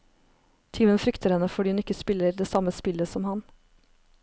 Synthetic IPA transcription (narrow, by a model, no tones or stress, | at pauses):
t̪ʰiːmənfɾʏkt̪əɾhɛnəfɔɖiːʉnɪkːəspɪləɾd̪eːsɑməspɪləsɔmhɑn